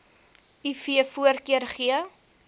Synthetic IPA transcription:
ifiəfuərkiərχiə

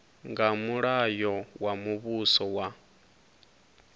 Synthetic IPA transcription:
ŋɡamuɺajɔwamuβusɔwa

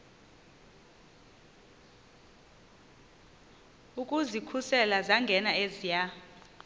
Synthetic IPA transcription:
ukʼuzikʰusɛlazaŋɡʱɛnaezija

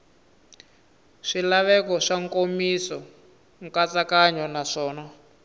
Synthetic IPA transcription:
ʂilaβɛkɔʂaŋkomisɔ | ŋkat͡sakaɲɔnaʂɔːna

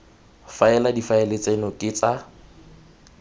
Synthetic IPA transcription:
faɛladifaɛlet͡sʼenɔkʼɪt͡sʼa

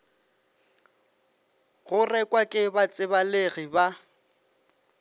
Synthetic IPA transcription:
ɣʊrɛkʼwakʼɪbat͡sʼɪbaleɣiba

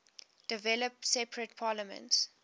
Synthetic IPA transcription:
d̥ɪvɛləp̚sɛpɹət̚pʰɑːləmə̰̃nts

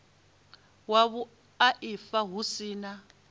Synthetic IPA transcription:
waβu | aʔifaɦusiːna

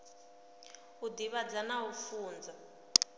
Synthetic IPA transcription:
ud̪iβad͡zanaufuːnd͡za

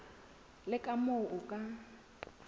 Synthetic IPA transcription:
lɪkʼamoʔʊkʼa

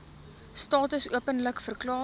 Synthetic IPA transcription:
stɑːtəsuəpənləkfərklɑː

